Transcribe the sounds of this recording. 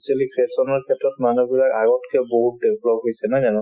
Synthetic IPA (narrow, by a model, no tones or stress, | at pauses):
sɛlikʰɹesɔnɔɹkʰɛtɹɔtmanubilakaɡɔtkʰɛboɦut̚debʱlɔpɦojsɛnazanɔ